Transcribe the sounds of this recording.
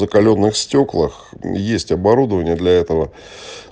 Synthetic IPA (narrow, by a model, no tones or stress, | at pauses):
zəkɐlʲo̞nːɨxsʲtʲoklˠəxjesʲtʲɐbɐɾud̪əvənʲɪjəd̪lʲɐɛt̪əvə